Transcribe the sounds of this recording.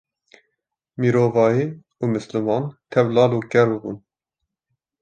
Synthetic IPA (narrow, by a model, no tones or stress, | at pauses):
miːɾoːvɑːjiː | umɨslɨmɑːnt̪ʰɛvlɑːluːkʲɛɾbɨbṵn